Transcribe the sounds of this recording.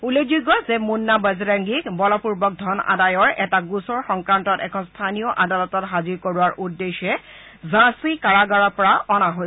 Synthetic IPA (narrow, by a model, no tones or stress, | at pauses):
ulezuɡɔzɛmunːabaziɾaŋɡikbɔlɔpuɹbɔk̚dʱɔna̰dajɔɹɛtaɡusɔɹxɔŋkɹantɔtɛkʰɔnstʰanijɔʔadalɔtɔtɦaziɹkoɹuaɹʔudːeʃɛ | zãsikaɹaɡaɹapɔɹaɔnaɦo